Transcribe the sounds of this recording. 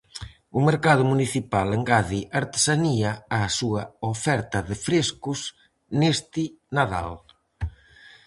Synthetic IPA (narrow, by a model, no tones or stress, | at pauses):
ʊmeɾkað̞ʊmuniθipaleŋɡaðiʔaɾt̪e̥saniɐːsuɐofɛɾt̪ɐðɪfɾeskʊs | nest̪inaða̰l